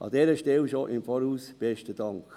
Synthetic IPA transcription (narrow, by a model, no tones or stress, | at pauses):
ʔɑ̰dɛːɾəʃtɛwʃoʔɪmfɔɾuːsb̥ɛʃtədɑŋk